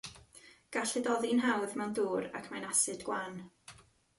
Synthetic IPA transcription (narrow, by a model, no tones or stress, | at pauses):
ɡ̥aɬɛdɔðinɦawðmɛwnduːɾa̰kʰmanasɨdɡ̥wan